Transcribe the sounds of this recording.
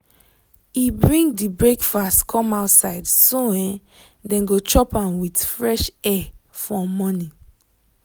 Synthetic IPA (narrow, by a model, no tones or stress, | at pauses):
ibɹĩŋdibɹekfastkʰɔ̃maʊtsaɪdsoɛ̃n | dɛ̃nɡot͡ʃɔpãnwitfɹɛʃɛ | fɔmɔ̃nĩ